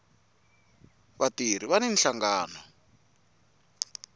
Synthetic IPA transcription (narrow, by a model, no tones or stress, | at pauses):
βatir̤iβanin̩ɬaŋɡaːnɔ